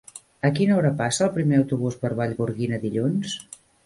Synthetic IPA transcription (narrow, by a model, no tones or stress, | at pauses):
əkinəɔɾəpasəːlˠpɾimeəwt̪uβ̞uzpəɾβaʎβuɾɣinəðiʎuns